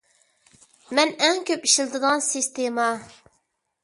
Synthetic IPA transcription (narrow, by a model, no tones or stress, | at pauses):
mɛnɛŋkʲʰøpiʃilˠd̪ɨd̪ɑnsist̪emɑ